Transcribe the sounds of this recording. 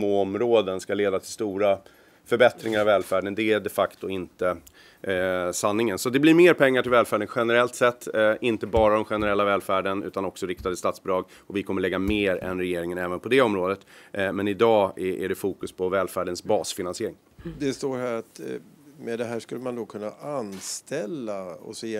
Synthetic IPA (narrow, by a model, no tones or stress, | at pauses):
moːɔmɾoːd̪ənskaleːd̪at̪ʰɪlst̪uːɾa | fœɾbɛt̪ɾɪŋaɾavɛːlfæːɖənd̪ɛæɖɛfakt̪ʊɪnt̪ə | sanːɪŋənsɔat̪̚d̪ɛbliɾmeːɾpʰɛŋːaʈʰɪlvɛːlfæːɖənɧɛnəɾɛlt̪sɛt̪ːʔɪnt̪əbɑːɾad̪ɔmɧɛnəɾɛlːavɛːlfæːɖənʉ̟ːt̪anɔksɔɾɪkt̪ad̪əst̪ɑːt̪sbd̪ɾɑːɡ | ɔvɪkʰɔmːəɭɛɡːameːɾɛ̰nɾɛjeːɾɪŋənɛːvənpʰɔd̪ɛɔmɾoːd̪ət̪mɛnɪd̪ɑːʔæ̰ɖɛfuːkɵspʰɔvɛːlfæːɖənsbɑːsfɪnansɪeːɾɪŋ | d̪ɛst̪oːɾhæɾat̪mɛd̪ɛɦæːʂkɵlːəmand̪okʰɵnːaanst̪ɛlːaɔ̰sɛː